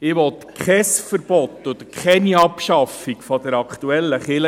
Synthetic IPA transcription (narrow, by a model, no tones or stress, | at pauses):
ɪʋɔt̪kχɛsfəɾb̥ɔt̪ːʊd̪kχɛniɑpʃɑfikfɔd̥̪əɾɑkt̪uɛlːəχɪlə